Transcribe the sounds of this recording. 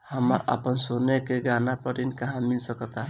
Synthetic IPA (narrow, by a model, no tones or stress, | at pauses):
həməɾə̰pənsonekeɡanapəɾinkaɦãmilsəkət̪a